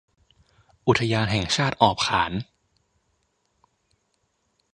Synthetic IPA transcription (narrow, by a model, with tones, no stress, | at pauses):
ʔu˨˩t̪ʰa˧jaː˧nɦɛː˨˩ŋt͡ɕʰaː˥˩t̪̚ʔɔː˨˩p̚kʰaː˩˦n